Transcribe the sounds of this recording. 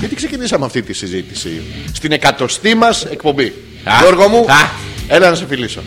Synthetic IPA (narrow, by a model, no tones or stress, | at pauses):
it̪i̥ksecinisɐmeɐft̪it̪isizit̪i̥sḭst̪ine̞kɐt̪o̞st̪imɐse̞kpo̞mbi | oɾɣomuelɐnɐsefiliso̞̰